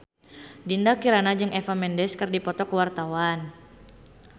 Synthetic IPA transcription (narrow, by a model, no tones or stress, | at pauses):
dindakiɾanad͡ʒɨŋɛfamɛndɛskɨrdipɔt̪ɔkəwart̪awan